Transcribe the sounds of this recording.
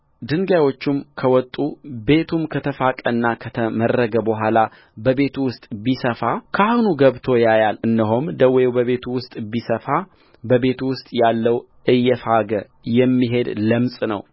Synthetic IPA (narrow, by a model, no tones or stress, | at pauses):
d̪ɨŋɡajwo̞t͡ʃːumkʰəwɔt̪ʼːube̞t̪ʰumkʰət̪ʰəfakʼənːakʰət̪ʰəmərːəɡəbəɦʷala | bəβe̞t̪ʰuwʊst̪ʼbisəfakʰəahnuɡəβt̪ʰo̞jajalɨnːəɦomd̪əwejbəβe̞t̪ʰuwʊst̪ʼbisəfa | bəβe̞t̪uwʊst̪ʼjalːəw | ʔɨjːɛfaɡə | jɛmːiɦe̞d̪ləmsʼnə̰w